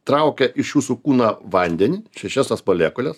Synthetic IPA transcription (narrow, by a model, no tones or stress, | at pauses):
t̪ɾɐʊkʲɛʔɪʃjuːsukuːnɐʋɐnʲd̪ʲɛnʲiːʃʲɛʃʲæsɐspoːlʲæːkolʲɛs